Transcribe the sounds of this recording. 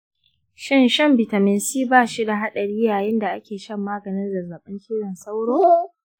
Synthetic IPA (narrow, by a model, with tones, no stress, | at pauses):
ʃɪ˦nʃɐ˦mbɪ˨ta˨mɪ˨nsiː˦baː˦ʃi˦da˨ɦa˦ɗɐ˨ɽiː˦jaː˨jɪ˦nda˨ʔa˦kʲeː˨ʃɐ˦˨mːaː˦ɡɐ˨nɪ˦nda˨zaː˨ɓɪ˦nʃiː˦ɽɐ˨nsa˦wɽoː˦